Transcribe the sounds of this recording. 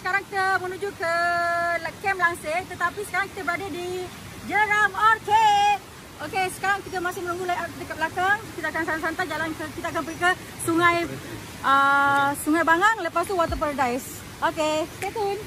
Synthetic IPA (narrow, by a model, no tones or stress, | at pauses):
sə̥kaɾaŋki̥t̪əmənud͡ʒukəlkɛmlaŋset̪ət̪apisə̥kaɾaŋki̥t̪abəɾadadi | d͡ʒəɾamɔrk̪e | okesə̥kaɾaŋkit̪əmasɪhmənuŋɡulajaət̪əkəp̚lakaŋkit̪akansans̬ant̪ad͡ʒalankəkit̪ak̬anpəɡikə | suŋãj | əsuŋajbaŋaŋləpast̪uwat̪̬əp̬ərdajs | oket̪et̪un